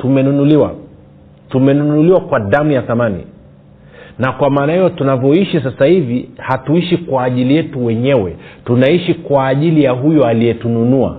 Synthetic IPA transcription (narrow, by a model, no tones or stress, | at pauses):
tumɛnunuliwa̰ | tumɛnunnuliwakwaðamujaθamanḭ | nakwamaːnahɛjɔtunavjɔiʃis̬asahivihatuiʃikwaːʄilijɛtuwɛɲɛwɛtunaiʃikwaːʄilijaɦujɔaliɛtununua̰